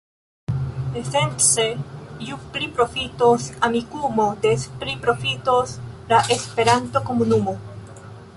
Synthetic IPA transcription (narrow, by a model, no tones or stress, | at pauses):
esensejupɾipɾo̞fitosamikumode̞spɾipɾo̞fitoslaʔe̞spe̞ɾanto̞ko̞munumo